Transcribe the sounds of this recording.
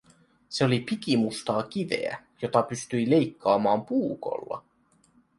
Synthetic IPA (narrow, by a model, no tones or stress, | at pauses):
se̞o̞lipikimust̪ɑːk̟iʋe̞̰æ̰ | jo̞t̪ɑpyst̪yile̞jkːɑːmɑːmpuːko̞̰lːɑ̰